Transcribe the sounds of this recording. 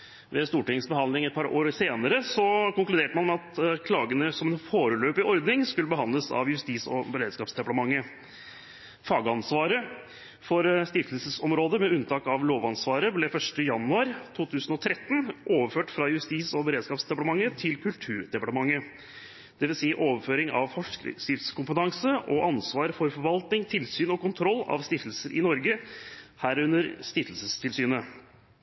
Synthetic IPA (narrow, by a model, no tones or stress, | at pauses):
ʋɛst̪uːʈɪŋsbəhɑnɪŋɛt̪̚pʰɑɾoːɾseːnəɾəsɔkʊŋklʉd̪eːʈəmɑnmɛɑt̪kʰlɑːɡənəsɔmɛnfoːɾəløːpɪʔɔɾd̪nɪŋskʉləbəɦɑnd̪ləsɑ̰ʋjʉst̪iːsɔ̰bəɾeːd̪skɑːpsd̪ɛpɑʈ̪ɑmɑŋːə | fɑːɡəɑnsʋɑːɾə | fɔɾst̪ɪft̪əlsəsɔmɾoːd̪əmɛʉnt̪ʰɑːkɑʋloːʋɑnsʋɑːɾəblɛfœʂʈəjɑnʉɑɾt̪ʰuːt̪ʰʉːsənɔt̪ʰɾɛt̪ːnʔoːʋəføːʈfɾɑjʉst̪iːsɔbəɾeːd̪skɑːpsd̪ɛpɑʈ̪əmɑŋːət̪ʰɪlkʰʉlt̪ʰʉːɾɖ̪ɛpɑʈəmɑŋːə | d̪̥ɛʋɪlsiːʔoːʋəføːɾɪŋɑ̰ʋfɔʂsɪft̪skʊmpət̪ʰɑŋsəʔɔʔɑnsʋɑːɾfɔɾfɔɾʋɑlt̪nɪŋt̪ʰɪlsyːnɔkʊnt̪ʰɾɔlːɑ̰ʋst̪ɪft̪əl̩səɾʔɪ̰nɔɾɡəhæːɾʉnːəɾst̪ɪft̪əlsəst̪ʰɪlsyːnə